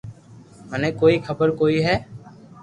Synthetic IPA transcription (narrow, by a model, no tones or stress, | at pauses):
ənẽkoːikʰəbəɾkoːiɦɛː